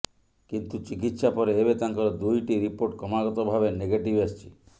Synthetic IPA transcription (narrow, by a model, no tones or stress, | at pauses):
kint̪ut͡ʃik̬it̪ʃapɔɾeebet̪aŋkɔɾɔd̪ujʈiɾipoɾʈ̚kɔmaɡɔt̪ɔbʱabeneɡeʈibast͡ʃʰi̥